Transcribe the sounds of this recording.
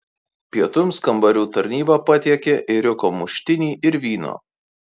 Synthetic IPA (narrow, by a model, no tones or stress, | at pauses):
pʲiɛt̪ʊmskɐmbɐɾʲuːt̪ɐɾʲnʲiːbɑpɐt̪ʲiɛkʲeʔɪɾʲʊkoːmʊʃʲt̪ʲɪnʲiːʔɪɾʋʲiːno̰ː